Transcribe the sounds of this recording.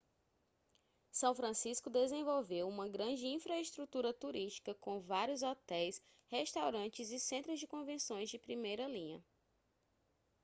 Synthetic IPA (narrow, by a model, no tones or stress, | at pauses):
sɐ̃w̃fɾɐ̃siskʊd̪ezẽvowvewũmɐɡɾɐ̃d͡ʒɪĩfɾɐeʃt̪ɾut̪uɾɐt̪uɾiʃt͡ʃi̥kɐkõvaɾjʊzɔt̪ɛjs | heʃt̪awɾɐ̃t͡ʃɪzɪsẽnt̪ɾʊzd͡ʒɪkõvẽsõj̃zd͡ʒɪpɾimejɾɐlĩɲɐ̰